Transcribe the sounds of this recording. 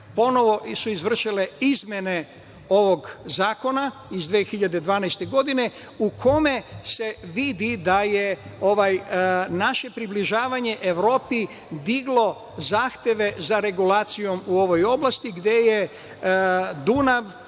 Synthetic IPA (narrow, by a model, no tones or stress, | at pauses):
po̞no̞ʋo̞ʔsuizʋr̩ʃile̞izmjene̞ | o̞ʋo̞ɡzaːko̞na | izd̪ʋeːxiʎad̪ed̪ʋaːnajst̪e̞ɡo̞d̪ine̞ | ukʰo̞me̞se̞ʋid̪id̪aje̞oʋajnaʃe̞pɾibliʒaːʋaɲe̞ʔeʋɾo̞ːpi | d̪iɡlˠo̞ | zaːxt̪je̞ʋe̞zaɾe̞ɡulaːt̪sijo̞muo̞ʋo̞jo̞blˠast̪iɡd̪je̞je̞ | d̪unaʋ